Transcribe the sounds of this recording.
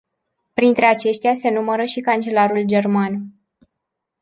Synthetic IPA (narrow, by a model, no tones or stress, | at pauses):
pɾint̪ɾe̞at͡ʃe̞ʃt̪ease̞numəɾəʃikant͡ʃe̞laɾuld͡ʒe̞rman